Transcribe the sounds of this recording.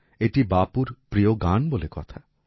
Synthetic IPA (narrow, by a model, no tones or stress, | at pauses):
eʈibapuɾpɾioɡanbolekɔ̰t̪ʰa